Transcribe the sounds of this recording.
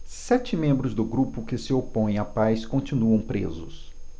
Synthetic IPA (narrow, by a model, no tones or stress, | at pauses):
sɛt͡ʃɪmẽmbɾʊzd̪ʊɡɾupʊkɪsɪopõj̃apajskõt͡ʃinuɐ̃w̃pɾḛzʊs